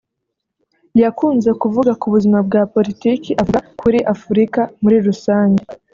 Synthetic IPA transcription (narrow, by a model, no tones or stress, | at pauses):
jakuːnze̞kuvuɡakuβuzimab̚ɡaːpo̞litiːkiʔavuɡakʰuɾiʔafuɾikamuɾiɾusaːɲɟe